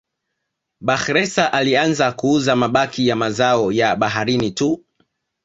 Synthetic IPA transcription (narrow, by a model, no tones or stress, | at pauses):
ɓaxɾɛsaʔalianzakuuzamaɓakijamazaɔjaɓaɦaɾinitu